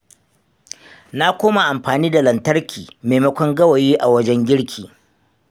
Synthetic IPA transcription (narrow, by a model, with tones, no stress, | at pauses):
na˦kʷoː˦ma˨ʔa˨mɸaː˨niː˦da˨lɐ˨ntɐ˦rkʲʰiː˨meː˨mɐ˦kʷɔ˦ŋɡɐ˦wa˨jiː˦ʔa˨wɐ˦d͡ʒɛ˦ŋɡʲɪ˦ɽkʲʰiː˨